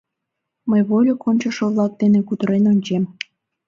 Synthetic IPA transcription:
məjβolʲokonʲt͡ɕəʃoβlɑk̚d̪enekut̪əɾenonʲt͡ɕem

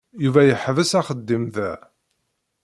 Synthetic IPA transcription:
juvæjəħvəsæχəd̪ːimðæ

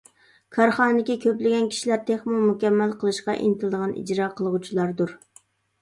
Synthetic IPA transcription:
kʰɑɾχɑːnɨd̪ɪkʲikʲʰøplɪɡʲɛnkʲʰi̥ʃilæɾt̪ʰeχmumukʲɛmːælqʰəlˠɨʃqɑ̰ʔḭnt̪ʰɨlɨd̪əʁɑnʔḭd͡ʒɾɑːqʰəlˠəʁut͡ʃʰilˠɑɾd̪uɾ

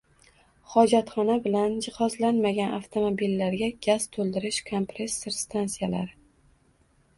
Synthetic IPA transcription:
χɒd͡ʒat̪χɒnabɪland͡ʒɪχɒzlanmaɡʲanʔa̰ft̪ʰo̞mobilːaɾɡʲaɡʲaz̥t̪ʰolˠd̪ɪɾɪʃkʰompɾesːɪɾst̪ʰansijala̰ɾ

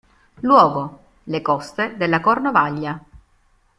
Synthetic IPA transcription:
lwɔːɡo | lekɔst̪ed̪elːakornovaʎːa

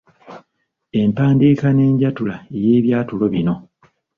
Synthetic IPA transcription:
e̞mpaːndiːkane̞ːɲɟatulaeje̞ːβjaːtulo̞βino̞

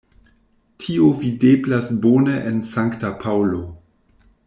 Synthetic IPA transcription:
tʰiovideblasbonəʔensaŋktapʰawlo

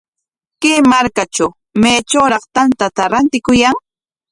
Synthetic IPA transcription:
kemaɾkat͡ʃaw | meːt͡ʃowɾɑχt̪ant̪at̪aɾant̪ɪkʊjaŋ

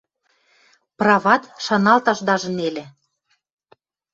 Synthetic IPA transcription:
prɑvɑt̪ʃɑnɑlt̪ɑʃd̪ɑʒə̆nelʲĕ

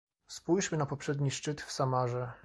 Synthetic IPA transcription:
spujʂmɘnapɔpʂɛd̪ɲiʂt͡ʂɘt̪fsamaʐɛ

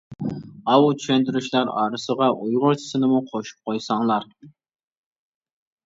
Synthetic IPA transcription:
ɑwut̪ʰy̥ʃɛnt̪yɾyʃlˠɑɾɑ̰ːɾɨsəʁɑʔujʁʊɾt͡ʃʰi̥sɨnɪmuqʰoʃu̥p̚qʰojsɑŋlˠɑɾ

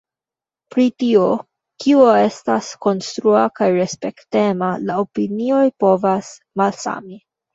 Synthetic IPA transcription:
pɾitio | kioe̞stasko̞nst̪ɾuakajɾe̞spe̞kte̞malaopinio̞jpo̞vas | malsa̰mi

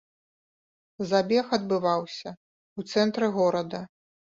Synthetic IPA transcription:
zabʲɛxɐd̪̚bɨvawsʲɐ | ut̪sɛnt̪ɾɨɣɔɾɐd̪ɐ

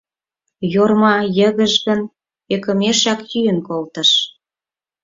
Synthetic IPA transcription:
jormɑjəɣə̆ʒɣə̆n | ekə̆meʃɑkj̪yjənkolt̪ə̆ʃ

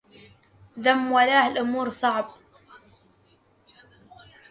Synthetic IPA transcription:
ðamːwalaːhalʔʊmuːɾsˤɑʕb

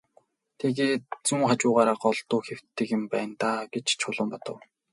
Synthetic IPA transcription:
t̪ʰeɣeːt̪̚t͡suŋχat͡ɕʊːʁaːɾaːɢɔɮt̪ʊːxew̥t̪ːɘ̆kɪ̆mpæːnt̪aːɡet͡ɕt͡ɕʰʊɮə̆mpɔt̪ɞ̆w

